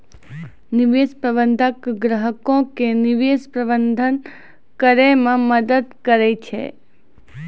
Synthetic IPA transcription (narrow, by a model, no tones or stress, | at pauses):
niʋespɾəbənd̪ʱəkɡɾəɦəkõkeniʋespɾəbənd̪ʱən | kəɾemãməd̪əd̪kəɾet͡ʃʰḛ